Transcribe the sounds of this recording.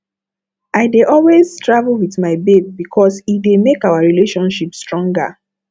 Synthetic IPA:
ʔaɪdeʔɔlweztɹavlwiθmaɪbeb̚bikʰɔsidemekaʊaɹileʃɔ̃nʃipstɹɔ̃ŋɡa̰

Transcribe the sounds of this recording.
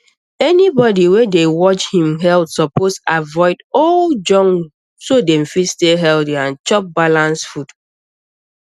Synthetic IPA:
ɛnibɔdiwedewɔt͡ʃhĩmɦɛltsɔposavɔɪdɔld͡ʒɔ̃ŋ | sodɛ̃m̩fidsteɦɛldiãnt͡ʃɔp̚balãnsfud

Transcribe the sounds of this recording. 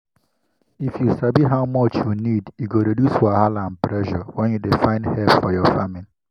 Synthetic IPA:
ifjusabiɦaʊmɔt͡ʃjunidjuɡoɾodusaɦalãnpɾɛʒɔwɛ̃njudefãɪ̃ndhɛlpfɔjɔfamili

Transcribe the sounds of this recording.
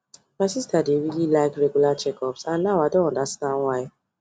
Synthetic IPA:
maɪsistadewililaɪkɹeɡulat͡ʃɛkɔpsãnːaʊwaɪdõnɔ̃ndastãndwaɪ

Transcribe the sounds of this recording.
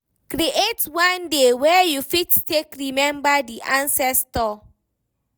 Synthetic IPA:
kɾiʔetwãndewɛjufittekɾimɛ̃mbadiʔãnsɛstɔ

